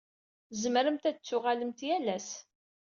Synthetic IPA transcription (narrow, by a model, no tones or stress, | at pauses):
zəmɾəmt̪æt͡sːʊʁaləmt̪jælæs